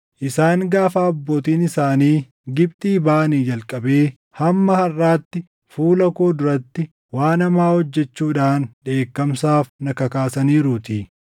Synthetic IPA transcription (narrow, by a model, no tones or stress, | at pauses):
ʔɪsaːŋɡaːfaːɐbːo̞ːt̪iːnɪsaːniː | ɡɪb̚t̪ʼiːbaːniːd͡ʒɐlkʼɐbe̞ː | hɐmːɐhɐrːaːt̪ːɪ | fuːlɐko̞ːd̪ʊɾɐt̪ːɪ | waːnɐmaːhɔd͡ʒːɛt͡ʃːuːᶑaːnᶑe̞ːkːɐmsaːfnɐkɐkaːsɐniːɾʊt̪iː